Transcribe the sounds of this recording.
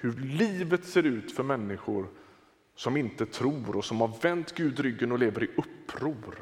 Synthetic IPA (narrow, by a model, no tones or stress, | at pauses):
hɵɾliːvət̪seːɾʉ̟ːt̪fœɾmɛnːɪɧʊɾ | sɔmɪnt̪ət̪ʰɾuːɾɔsɔmhaɾvɛnt̪ɡʉ̟ːd̪ɾʏɡːənɔleːvəɾɪʔɵpːɾuːɾ